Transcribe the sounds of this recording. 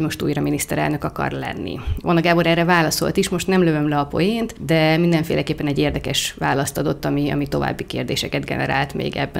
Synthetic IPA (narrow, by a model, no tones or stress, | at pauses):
ɟmo̞ʃt̪ṵːjrɒminist̪ɛɾɛ̰lnø̞kɒkɒ̰rlɛ̰nːḭvonɒɡaːboɾɛrɛvaːlɒso̞̰lt̪iʃmo̞ʃt̪nɛmløvømlɛɒpo̞̰jent̪d̪ɛmind̪ɛɱfḛːlʔɛkeːpːɛnɛɟːeːrd̪ɛkɛʃʋaːlɒst̪ɒd̪o̞t̪ːɒmiɒ̰mit̪o̞va̰ːbːikeːrd̪eːʃɛkɛd̪ɡɛ̰nɛ̰ɾa̰ːlt̪mḛːɡɛbːɛ̰